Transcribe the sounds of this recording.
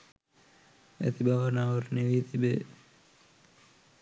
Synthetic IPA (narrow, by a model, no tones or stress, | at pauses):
æ̰t̪ibaʋənaːʋəɾneʋiːt̪ʰibe